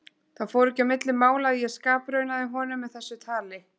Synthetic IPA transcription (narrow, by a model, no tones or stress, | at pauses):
θaðfoːwɾɛhcamɪt̪lɪmaːwlaðijɛskaːpɾœɥnaðɪɦɔːnʏmːɛðθɛsːʏt̪ʰaːlɪ